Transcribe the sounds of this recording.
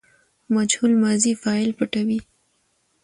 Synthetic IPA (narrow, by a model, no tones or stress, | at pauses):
mad͡ʒhulmɑzifɑɪlpaʈawi